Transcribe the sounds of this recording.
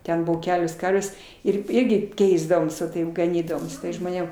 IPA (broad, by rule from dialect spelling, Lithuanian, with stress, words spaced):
ˈtʲɛn ˈbʊʋoː ˈkʲæːlʲoːs ˈkɐrʲʋʲeːs ˈɪr ˈɪrʲɡʲɪ ˈkʲɛɪzdɐʋoːms ʋɐ ˈtɐɪp ɡɐˈnʲiːdɐʋoːm ʒmoːˈnʲeːm